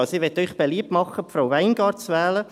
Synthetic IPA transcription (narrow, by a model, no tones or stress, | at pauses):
ɑsiʋɛt̪ːœʏχb̥eliəp̚tmɑχːəpfɾaʊwʋæɪnɡ̥ɑːɾtt͡sʋɛːlə